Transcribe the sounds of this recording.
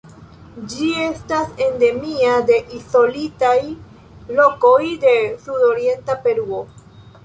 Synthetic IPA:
d͡ʒie̞stase̞nde̞miade̞ʔiso̞litaj | lo̞ko̞jde̞sudo̞ɾie̞ntape̞ɾuo

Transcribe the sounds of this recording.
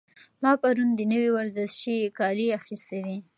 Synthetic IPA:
mɑpaɾund̪ənəwiwaɾzɪʃʃikɑliaxist̪ed̪i

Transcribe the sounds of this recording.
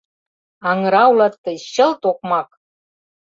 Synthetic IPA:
ɑŋə̆ɾɑulɑt̪ːəjɕə̆lt̪ok̚mɑk̚

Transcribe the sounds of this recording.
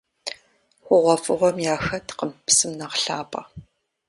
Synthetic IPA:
χʷʊʁʷɔfʼɨʁʷɔmjaːxɐtʰqəmpsɨmnɐqɬaːpʼɐ̰

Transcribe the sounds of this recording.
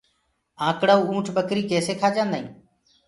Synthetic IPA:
ãːkɽaːuːũːʈʰbəkɾiːkeːseːkʰaːd͡ʒãːnd̪aĩː

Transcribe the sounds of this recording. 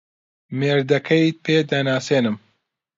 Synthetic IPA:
meːɾd̪ɐkʰɐit̪̚pʰeːd̪ɐnaːseːnɨm

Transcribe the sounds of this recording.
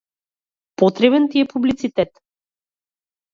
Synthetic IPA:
pɔt̪ɾɛbɛnt̪iɛpublit̪sit̪ɛt̪

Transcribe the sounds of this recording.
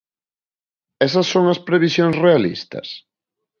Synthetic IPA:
ɛsɐsːoŋɐspɾeβ̞isjoŋsrealḭst̪ɐ̰s

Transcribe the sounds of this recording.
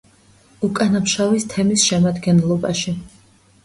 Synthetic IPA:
ukʼanamʃavist̪ʰɛmisʃɛmad̪ɡɛnlˠɔbaʃi

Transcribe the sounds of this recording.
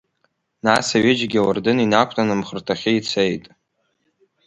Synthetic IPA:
nasaɥed͡ʒɡʲawardɨninakʷʰʼtʼanɨmχərtʰaχʲɪit͡sʰejtʼ

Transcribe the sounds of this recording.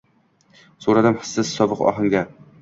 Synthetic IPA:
soɾad̪ɪmhɪ̥sːɪsːɒbɨqɒ̰ɦɨŋɡʲa

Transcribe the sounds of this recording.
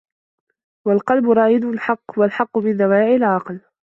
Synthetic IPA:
walqɑlbʊɾˤɑːjɪd̪ʊʊlħɑqːwalħɑqːʊmɪnd̪awaːʕɪlʕɑql

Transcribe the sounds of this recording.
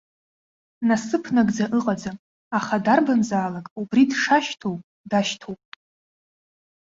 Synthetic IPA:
nasɨpʰnaɡʼd͡zaʔɨqʼad͡zam | aχadarbanzaːlakʼubridʂaʃtʰowpʼ | daʃtʰowpʼ

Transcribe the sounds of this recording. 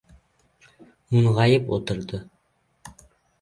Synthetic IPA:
mʊɴʁɑjɪpo̰t̪ə̆ɾd̪ɤ

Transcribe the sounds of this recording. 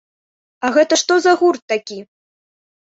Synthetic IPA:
ɐɣɛt̪ɐʂt̪ɔzɐɣurt̪ːakʲi

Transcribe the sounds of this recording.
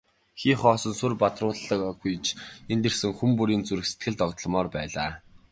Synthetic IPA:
xiːχɔːsɞ̆nsɵrpat̪rʊːɮːə̆kɡujt͡ɕʰent̪ersɘ̆ŋxumpuɾiːnt͡suɾɘ̆kse̥t̪̚ɡɘ̆ɮt̪ɔkt̪ə̆ɮmɔːrpæːɮaː

